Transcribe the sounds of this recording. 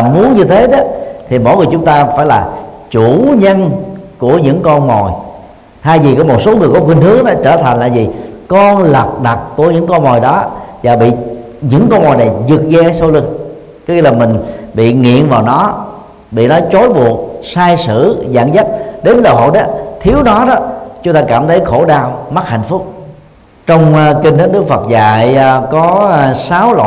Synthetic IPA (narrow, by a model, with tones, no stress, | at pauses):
mu˨˦ənɲɨ˧t̪ʰe˨˦ɗɔ˨˦t̪ʰi˨˩mo̰˧˥jŋɨ˨˩əjt͡ɕʊ˨˦ŋ͡mt̪aː˧faː˧˩jlaː˨˩t͡ɕu˧˩˨ɲə˧nku˧˩əɲɨ̰˧˥ŋkɔ˧nmɔ˨˩j | haː˧jvi˨˩kɔ˨˦mo˨˩t̚so˨˦ŋɨ˨˩əjkɔ˨˦kwi˧nɦɨ˨˦əŋnɔ˨˦t͡ɕəː˧˩t̪ʰa˨˩ŋ̟laː˨˩jzi˨˩kɔ˧nla˨˩k̚ɗa˨˩k̚ku˧˩əɲɨ̰˧˥ŋkɔ˧nmɔ˨˩jɗɔ˨˦zaː˨˩ɓḭ˧˨ | ɲɨ̰˧˥ŋkɔ˧nmɔ˨˩jna˨˩jzɨ˨˩k̚zɛ˧so˧wlɨ˧ŋ | kɔ˨˦ɲɨ˧laː˨˩mï˨˩ŋ̟ɓḭ˧˨ŋḭ˧˨ənvaː˨˩wnɔ˨˦ | ɓḭ˧˨nɔ˨˦jt͡ɕo˨˦jɓu˨˩ət̚saː˧jsɨ̰˧˩za̰ː˧˨nza˦˥t̚ɗe˨˦nɗəː˨˩ɦo̰˧˨jɗɔ˨˦t̪ʰi˨˦əwnɔ˨˦ɗɔ˨˦t͡ɕʊ˨˦ŋ͡mt̪aː˧kaː˧˩mt̪ʰə˨˦jxo˧˩ɗaː˧wma˦˥t̚ha̰˧˩˨jŋ̟fʊ˦˥k͡p̚ | t͡ɕɔ˧wŋ͡mki˧ŋ̟t̪ə˨˦nɗɨ˦˥ək̚fə˨˩t̚za̰ː˧˨jkɔ˨˦saː˨˦wlwa̰ː˧˨